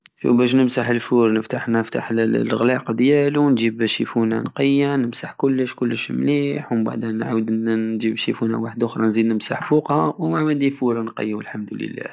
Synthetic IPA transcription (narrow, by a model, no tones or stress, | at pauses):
wbæʃ̬nəmsaħəlfuɾnəft̪aħnft̪aħɣlɑqd̪jælunʒibʃifuna̰nqəjːanəmsaħkʊlːəʃkʊlːəʃmliħwəmba̰ʕd̪ænʕawəd̪ʒibʃifuna̰waħəd̪ʔʊxɾˤɑnzid̪nəmsaħfuqhɑwmaʕmænd̪ifuɾnqə̰jːwəlħamd̪ulə̰lːæ̰